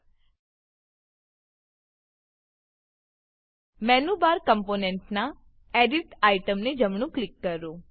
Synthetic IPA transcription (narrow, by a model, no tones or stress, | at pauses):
mɛnubaɾkəmponɛɳʈna | eɖiʈaiʈəmned͡ʒəmɳ̃ũklɪkːəɾːo